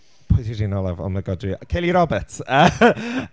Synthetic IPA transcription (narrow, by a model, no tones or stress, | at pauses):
pʰoɨθiɾiːnɔlˠɛvɔ̰maɡɔdikʰejlˠiɾɔbətʰə